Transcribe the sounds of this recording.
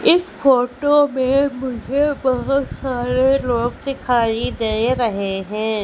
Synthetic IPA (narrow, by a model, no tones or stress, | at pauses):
ɪsfoːʈomẽmʊd͡ʒʱebɐɦʊt̪saːɾeloːɡd̪ɪkʰaːid̪eːeɾɐɦeɦɛ̃ː